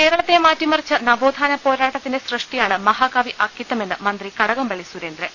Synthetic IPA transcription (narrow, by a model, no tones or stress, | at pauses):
ke̞ːɾɐɭɐt̪ːemaːtːimɐrit͡ɕːɨnɐbo̞ːd̪ʱaːnɐpo̞ːɾaːʈːɐt̪ːinde̞srɨʂʈijaːɳɨmɐɦaːkaːʋiʔɐkːit̪ːɐme̞nːɨmɐnd̪rikɐɽɐɣɐmbɐɭisuɾeːnd̪ɾe